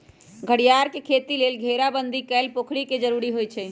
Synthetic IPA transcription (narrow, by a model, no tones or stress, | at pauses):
ɡʱəɽijaɾkekʰet̪ilelɡʱeɾabənd̪ʱikɛlpokʰɽiked͡ʒəɾuɾiɦojt͡ʃʰɛ